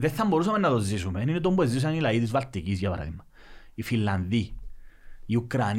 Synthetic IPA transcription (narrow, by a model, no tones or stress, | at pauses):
ðɛθːamboɾus̬amɛnːaðozːisumɛnint̪̬ombezis̬anilait̪izvalt̪ikis̬japa̰ɾa̰ðḭmːa | ifilːand̪i | iukɾan